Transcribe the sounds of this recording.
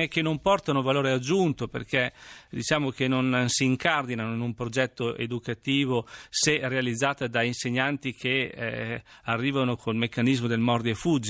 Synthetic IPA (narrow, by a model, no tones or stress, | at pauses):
ekenompɔrt̪anovaloːɾead͡ʒːunt̪opḛrked̪it͡ʃaːmok̟enonnsiːŋkard̪inanoinumpɾod͡ʒɛt̪ːoʔḛd̪ukat̪iːvoserealid̪zːaːt̪ad̪ainseɲːant̪ikʰe | arːiːvanokʰolmekːanizmod̪elmɔrd̪iefud͡ʒ